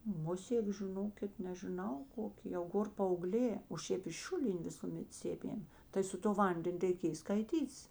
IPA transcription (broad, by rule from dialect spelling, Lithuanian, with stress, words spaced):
ˈmʊsʲeːk ʒʲɪˈnoːkʲɪt nʲɛʒʲɪˈnɐʊ ˈkoːkʲeː jɛʊ ˈɡoːr pɐɐʊˈɡlʲeː oː ˈʃʲeːp ɪʃ ˈʃʲʊlʲɪnʲeː ˈʋʲɪsʊmʲɛt ˈsʲeːmʲeːm tɐɪ sʊ toː ˈʋɐnʲdʲɛnʲ rʲɛɪˈkʲeːj skɐɪˈtʲiːtʲɪs